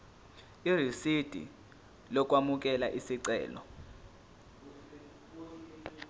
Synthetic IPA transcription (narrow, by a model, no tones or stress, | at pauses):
irisid̥ʱḭ | lɔk̬wamuk̬ʼɛlaʔisiǀɛ̰ːlɔ̰